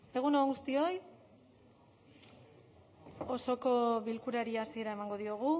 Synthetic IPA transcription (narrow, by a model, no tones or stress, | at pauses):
e̞ɣ̞unoɡust̪io̞j | o̞so̞ko̞βilkuɾaɾiasie̞ɾae̞maŋɡo̞ðio̞ɣ̞u